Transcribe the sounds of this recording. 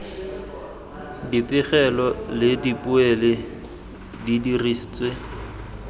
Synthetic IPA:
dipʼɪχɛlɔlɪdipʼʊɛlɪ | didirisit͡sʼwe

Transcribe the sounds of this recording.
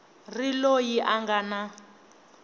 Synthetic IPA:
rilojiʔaŋɡana

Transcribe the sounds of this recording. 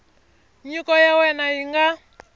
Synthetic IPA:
ɲikɔjawɛnaiŋɡa

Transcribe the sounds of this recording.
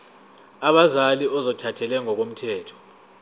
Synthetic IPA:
aɓazaliɔzɔtʰatʰɛlɛŋɔk̬om̩tʰɛːtʰɔ̥

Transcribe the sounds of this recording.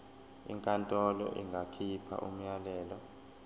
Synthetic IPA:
ḭŋkʼantʼɔlɔ̰ʔiŋɡʱakʰipʰa̰ʔum̩jalɛːlɔ

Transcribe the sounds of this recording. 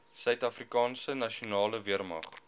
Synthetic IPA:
sœɥtɐfrikɑːnsənɐʃiunɑːləviərmɐ̰χ

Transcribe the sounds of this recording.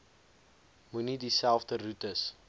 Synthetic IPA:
munidisælˠfdərutəs

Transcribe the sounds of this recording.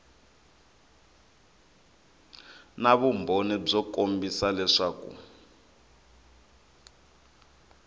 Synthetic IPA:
naβumbʱonib͡ʐɔkombisalɛʂaːkṵ

